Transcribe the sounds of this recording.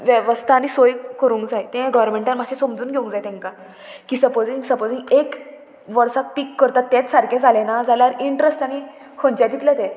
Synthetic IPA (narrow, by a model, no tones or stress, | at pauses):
ʋjəʋəst̪ʰaːñisojkəɾũŋkd͡zajt̪ẽɡəʋəɾmẽɳʈanmaɕẽsomd͡zuːnɡʱeũŋkd͡zajt̪ɛ̃ŋka | kiːsəpod͡zĩŋɡsəpod͡zĩŋɡek | ʋəɾsak̚pikːəɾt̪at̪ːẽt͡ssaɾkʰẽd͡zʱalenad͡zalaɾiɳʈɾesʈaɽ̃i | kʰõnt͡ɕad̪ʱit̪lət̪e